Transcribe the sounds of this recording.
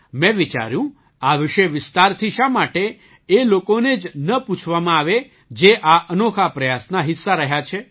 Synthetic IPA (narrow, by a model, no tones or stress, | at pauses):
mɛ̃ʋit͡ʃa̰ɾjũ | aʋɪʃeʋɪst̪aɾt̪ʰiʃamaʈe | elokoned͡ʒnəput͡ʃʰʋamãaʋe | d͡ʒeʔaʔənokʰapɾəjasnaɦɪsːaɾəɦjat͡ʃʰe